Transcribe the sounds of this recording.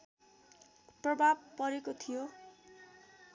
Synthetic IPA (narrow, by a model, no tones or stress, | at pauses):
prʌbʱabpʌɾekot̪ʰijo